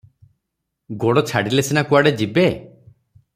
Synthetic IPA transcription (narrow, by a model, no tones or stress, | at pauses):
ɡoɽɔt͡ʃʰaɽilesinakuaɽed͡ʒibe